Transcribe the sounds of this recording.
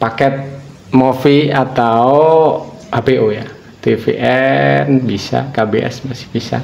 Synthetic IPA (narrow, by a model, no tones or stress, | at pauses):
pakɛt̪̚ | mofiat̪ao | hapeʔoja | t̪efḛʔɛnbisa̰kabeʔɛ̰smasɪ̥hb̥isa̰